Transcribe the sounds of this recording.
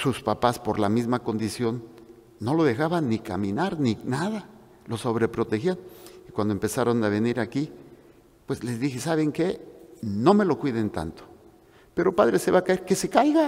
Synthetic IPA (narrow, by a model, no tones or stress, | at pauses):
suspapaspo̞ɾlamizmako̞nd̪isjo̞nː | o̞lo̞ðe̞xaβanːika̰mĩnaɾninaða | lo̞so̞βɾe̞pɾo̞t̪e̞xjanikwand̪oempe̞saɾo̞naβeniɾaki | pwe̞zle̞zðixesaβeŋke̞no̞me̞lo̞kwiðent̪a̰nt̪o̥ | pe̞ɾopaðɾese̞βakaeɾkesekajɣa